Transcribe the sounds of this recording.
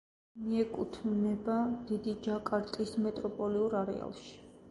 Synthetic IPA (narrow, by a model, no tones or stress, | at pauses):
miɛkʼut̪ʰnɛbad̪̥id̪id͡ʒakʼaɾt̪ʼismɛt̪ʼɾɔpʼɔliuɾaɾɛ̰a̰lˠʃi̥